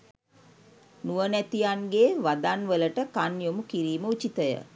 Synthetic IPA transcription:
nuʋənæt̪ijanɡeʋad̪anʋələʈəkanjomukiɾiːməut͡ʃit̪əjə̰

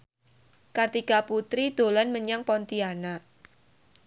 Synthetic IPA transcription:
kart̪ikaput̪ɾid̪̥o̤lanməɲaŋpɔnt̪iana

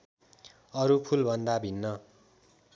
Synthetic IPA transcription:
ʌɾupʰulbʱʌnd̪abʱinːʌ

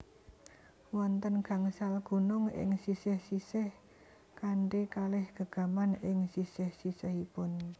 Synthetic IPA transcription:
wɔnt̪ənɡ̥a̤ŋsalɡ̥o̤nʊŋɪ̰ŋsisɪhsisɪh | kaɳɖekalɪhɡ̥ə̤ɡ̥a̤manɪŋsisɪhsisɪhipʊn

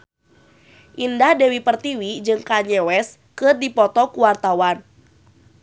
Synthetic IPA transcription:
ʔindahdɛwipərt̪iwid͡ʒɨŋkaɲɛwɛs | kɨrdipɔt̪ɔkuwart̪awan

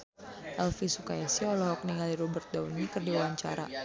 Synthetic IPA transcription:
ʔɛlfisukaasiɔlɔɦɔk̚niŋaliɾɔbərt̪̚daunikərdiwawaɲt͡ʃa̰ɾa̰

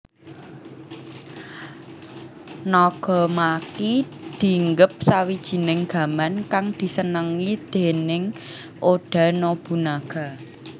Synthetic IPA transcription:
nɔɡ̥ɔ̤makid̪̥i̤ŋɡəp̚sawid̥ʒ̥i̤nɪŋɡ̥ä̤mankaŋd̪̥i̤sənəŋid̪̥e̤nɪŋ | ʔoɖ̥a̤nob̥ṳnaɡ̥a̤

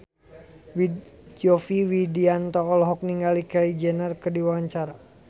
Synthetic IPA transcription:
wi | d͡ʒiɔfiwidiant̪ɔːlɦɔk̚niŋɡalikaid͡ʒɛnərkərdiwaaɲt͡ʃaɾa

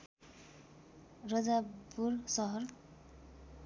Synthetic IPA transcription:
rʌd͡zabursʌɦʌr

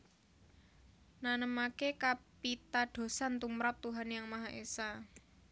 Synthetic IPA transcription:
nanəmakekapit̪aɖ̥o̤sant̪umɾap̚t̪uɦanjaŋmaɦaʔesa

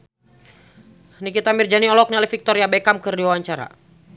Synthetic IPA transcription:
nikit̪amird͡ʒaniɔlɔk̚nialɛfik̚t̪ɔɾiabɛkamkərdiwawaɲt͡ʃaɾa̰

